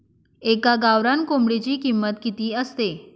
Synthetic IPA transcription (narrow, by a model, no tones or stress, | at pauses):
ekaɡaʋɾankomɽit͡ɕiːkimːət̪kit̪iːəst̪e